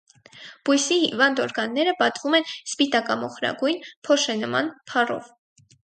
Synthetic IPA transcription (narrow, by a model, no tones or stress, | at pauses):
b̥ujsihivɑnd̪ɔɾɡɑnːɛɾəpɑt̪vumɛnspit̪ɑkɑmɔχɾɑ̰ɡujnpʰɔʃɛnəmɑ̰npʰɑrɔ̰v